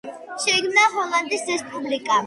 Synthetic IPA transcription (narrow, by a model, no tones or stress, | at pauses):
ʃɛkʰmnaɦɔlˠand̪isɾɛspʼublikʼa